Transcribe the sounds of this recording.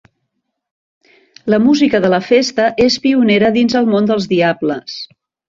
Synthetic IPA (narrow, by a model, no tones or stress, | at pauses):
ləmuzikəðələfest̪əʔespiuneɾəðinzəlˠmond̪əlˠzðiabləs